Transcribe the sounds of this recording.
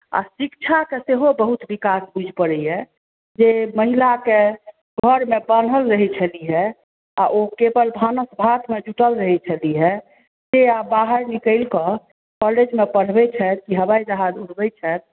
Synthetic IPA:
a̰sikt͡ʃʰakeseɦobəɦut̪bikasbud͡ʒʱpəɽɛɛ | d͡ʒeməɦilake | ɡʱəɾmebən̤əlɾəɦɛt͡ʃʰəliɦɛ | a̰ʔokebəlbʱanəsbʱat̪med͡ʒuʈəlɾəɦɛt͡ʃʰəliɦɛ | d͡ʒeabaɦəɾnikəɪlkə̃ | kɔled͡ʒmepəɽ̤bɛt͡ʃʰɛt̪̚kiɦəbajd͡ʒəɦad͡ʒuɽ̤bɛt͡ʃʰɛt̪̚

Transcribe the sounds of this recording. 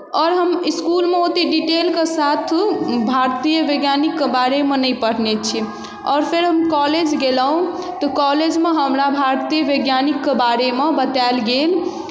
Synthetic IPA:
ɔɾɦəmiskulmeot̪eɖiʈelkesat̪ʰbʱaɾt̪ijəʋeɡjanikːebaɾemenəjpəɽ̤net͡ʃʰi | ɔːɾpʰeɾɦəmkɔled͡ʒɡelɦũ | t̪ɔkɔled͡ʒmeɦəmɾabʱaɾt̪ijjəʋeɡjanikːebaɾemebət̪aɪlɡel

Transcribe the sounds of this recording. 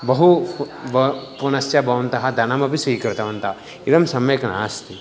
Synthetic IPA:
bɐɦu | ɐpunɐsjɐbɐʋɐnt̪ɐɦɐd̪ʱɐnɐmɐpisiːkɾɪt̪ɐʋɐnt̪ɐ | iɾɐmsɐmjɐkɐnaːst̪ʰi

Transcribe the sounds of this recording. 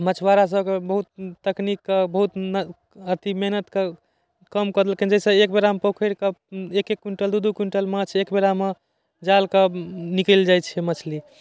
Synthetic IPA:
mət͡ʃʰwaɾas̬əbkebəɦut̪̚ːəknikːəbəɦut̪n | ət̪imeɦnət̪kə | kəmkəd̪elkend͡ʒɛsə̃ekbeɾampokʰəɾkəekekːuɳʈəld̪ud̪ukuɳʈəlmãt͡ʃʰekbeɾame | d͡ʒalkənikəld͡ʒajt͡ʃʰɛmət͡ʃʰli

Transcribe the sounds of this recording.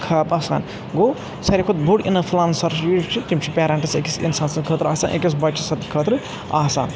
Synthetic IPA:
kʰaːpɐsa̰ːn | ɡoː | sɐɾʲikʰot̪̚bʱuɽḭnɐfʰlaːnsɐɾʃjit͡ʃʰit̪imt͡ʃʰipʲeːɾɐɳʈɐsekʲisḭnsaːnsɐnkʰət̪ɾaːsaːnʔḛkʲis̬bɐt͡ʃːisɐt̪ikʰət̪ɾɨ | aːsa̰ːn

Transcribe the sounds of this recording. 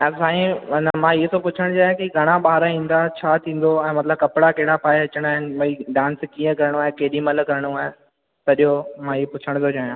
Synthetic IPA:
ɛ̃ːsaːĩnɐmãiɦsopʊt͡ɕʰəɽ̃t͡ɕaːɦjãkiɡʱɐɽ̃aɓaːɦɾaɦĩːn̆d̪at͡ɕʰaːt̪ʰĩːn̆d̪oɛ̃ːmɐt̪ləb̚kɐpɪɽakeɦɪɽapʰaːɐt͡ɕəɽ̃aːɦɪnɪ̆ʋɐiɖãːnskĩːə̃kɐɾɽ̃ũaːɦekeːɗĩmɐlkɐɾəɽ̃uaːɦe | t̪ɐɗiɦomãːiɦpʊt͡ʃʰəɽ̃t̪ʰot͡ɕaːijãː

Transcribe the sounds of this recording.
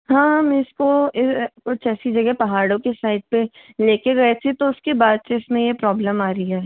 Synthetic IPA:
ɦãːmɪskoɪkʊt͡ʃʰɛːsid͡ʒɐɡɛpɐɦaːɽõkesaːɪʈ̚pe | leːkeɡɐet̪ʰet̪oʊskebaːd̪seɪsmẽjepɾɔːbləmaːɾiɦɛː

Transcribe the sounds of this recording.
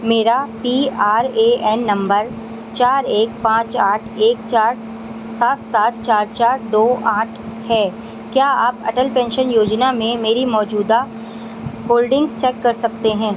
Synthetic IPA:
meːɾapiaːɾeʔɛːnːɐ̃mbəɾ | t͡ʃaːɾeːk̚pãːt͡ʃaːʈʰeːkt͡ʃaːɾ | saːt̪saːt̪̚t͡ʃaːɾt͡ʃaːɾd̪oːaːʈʰhɛː | kjaːaːpɐ̰ʈəlpɛ̃ːnʃənjoːd͡ʒnamẽmeːɾimɔːd͡ʒuːd̪a | hoːlɖɪ̃ŋɡzt͡ʃɛːkːɐɾsɐk̚t̪eɦɛ̃ː

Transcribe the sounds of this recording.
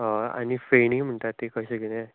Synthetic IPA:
ɦəa̰ñifeɳim̤əɳt̪aɾt̪ːekəɕeɡelẽ

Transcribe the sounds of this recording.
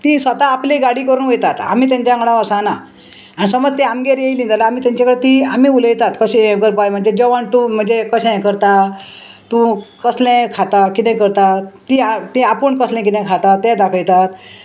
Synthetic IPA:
t̪ĩsʋət̪aːpleɡaɽiːkəɾuːnʋejt̪at̪a̰m̤iːt̪̬jãɲt͡ɕjãŋɡɽãəsana | anisəməd͡zt̪eamɡeɾjejlĩnd̪alaamiːt̪ãɲt͡ɕakəɽet̪iam̤iːuləjt̪at̪kəɕɡəɾpajm̤əɳd͡zed͡ʑɔʋaɳʈum̤əɳd͡zekəɕẽkəɾt̪a | t̪ũkəslẽkʰat̪akit̪ɛ̃kəɾt̪at̪iat̪ĩapəɳkəslɛ̃kit̪ɛ̃kʰat̪at̪ːɛ̃d̪akʰəjt̪at̪

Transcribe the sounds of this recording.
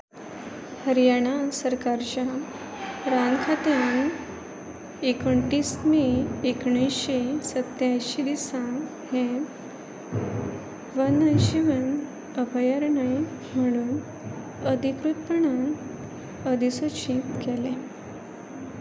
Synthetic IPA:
həɾjaɽ̃asəɾkaɾt͡ɕa | ɾankʰat̪jãn | ekəɳʈismeekɳisɕesət̪jajɕid̪isã | hẽ | ʋənəjɕiʋən | əbʱəjaɾɳaj | m̤əɽ̃uːn | əd̪ʱikɾut̪pəɳ̃an | əd̪ʱisoɕit̪kɛlẽ

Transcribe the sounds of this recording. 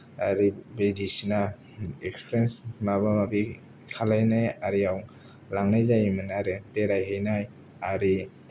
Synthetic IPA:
aɾibedisina | ekspʰɾensmabamabi | kʰalajnajaɾiaw | laŋnajzajmanaɾepeɾajɦejnaj | aɾi

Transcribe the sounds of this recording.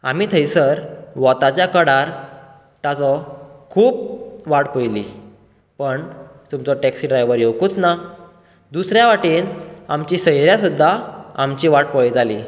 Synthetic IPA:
amiːt̪ʰəjsəɾʋɔt̪at͡ɕjakəɽaɾ | t̪at͡sɔkʰuːp̚ʋaʈpəjli | pəɳt̪umt͡sɔʈɛksiɖɾajʋəɾjewkuːt͡sna | d̪usɾjaʋaʈiːnamt͡ɕisəjɾjasud̪ʱːaamt͡ɕiʋaʈ̚pəɭd͡zali

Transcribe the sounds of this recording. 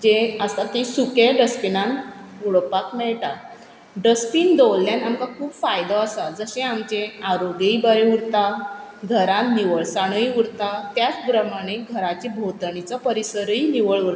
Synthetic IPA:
d͡ʑeəst̪at̪isukeɖəspinãnuɭpakmɛɭʈa | ɖəspiːnd̪olːjanamkakʰuːbfajd̪ɔasad͡zəɕẽamt͡ɕẽaɾoɡəibəɾeuɾt̪aɡʱəɾãnniʋəɭsaɽ̃əjuɾt̪at̪jat͡sbɾəmaɽ̃eɡʱəɾat͡ɕibʱot̪ɳit͡sɔpəɾisəɾiniʋəɭuɾt̪

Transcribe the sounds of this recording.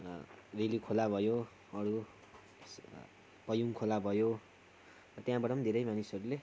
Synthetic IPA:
relikʰolabʱʌjo | ʌɾu | pʌjuŋkʰolabʱʌjo | rʌt̪jãbʌɽʌmd̪ʱeɾʌjmanisʌɾule

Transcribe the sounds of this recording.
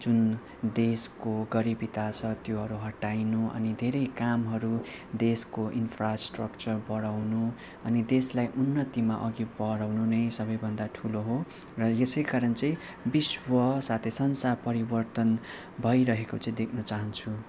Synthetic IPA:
d͡zun | d̪eskoɡʌɾibit̪at͡sʰʌt̪joɦʌɾuɦʌʈajnuʌ̰nid̪ʱeɾʌjkamɦʌɾu | d̪eskoʔinpʰrasʈrʌkt͡sʌrbʌɽawnu | ʌnid̪eslajʔunːʌt̪imaʔʌɡibʌɽawnunʌjsʌbʌjbʱʌnd̪aʈʰuloɦo | rʌesʌjkaɾʌnt͡sʌ̃j̃ | biswʌsat̪ʰesʌnsapʌɾibʌrt̪ʌn | bʱʌjɾʌɦekot͡sʌ̃ĩd̪ekʰnʌt͡saɦʌnt͡sʰu

